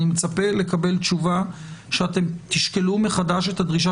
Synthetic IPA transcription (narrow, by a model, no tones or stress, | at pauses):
nimet͡sape̞le̞kabe̞lt̪t͡ʃuvaʃeat̪e̞mt̪iʃke̞lumeχadaʃe̞t̪ad̪ʁiʃ̬a